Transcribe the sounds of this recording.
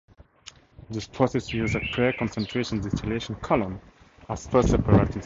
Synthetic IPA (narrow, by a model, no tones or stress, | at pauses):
ðɪspʰɹ̥ɔsɛsjuzəpʰɹɛkɔ̃nsɛ̃ntʰɹ̥eʃə̃ndɛstɪleʃə̃nkʰɔlə̃m | əz̥fɜstsɛpəɹetɪ̃